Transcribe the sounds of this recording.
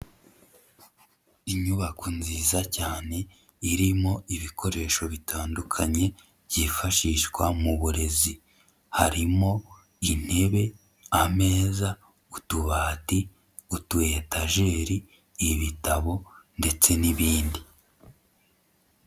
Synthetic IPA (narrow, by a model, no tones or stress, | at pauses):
iɲuβakunziːzacaːne̞ | iɾimo̞iβikʰo̞ɾe̞ːʃo̞βitʰaːndukʰaɲe̞̥ | ɟifaʃiʃwamuβuɾe̞zi | haɾimo̞ | in̥he̞βe̞ | ame̞ːza | utuβaːti | utue̞taʒe̞ːɾiː | βitaβo̞nde̞t͡se̞niβiːndi